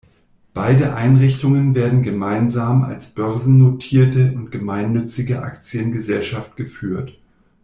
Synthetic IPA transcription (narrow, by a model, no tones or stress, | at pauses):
b̥aɪdəʔaɪnʁɪçtʊŋənveːɐdn̩ɡəmaɪnzaːma̰lsb̥œʁzn̩notʰiːɐtəʊntɡ̥əmaɪnːʏt͡sɪɡəʔa̰kt͡sjənɡəzɛlʃaft̚ɡ̥əfyːɐt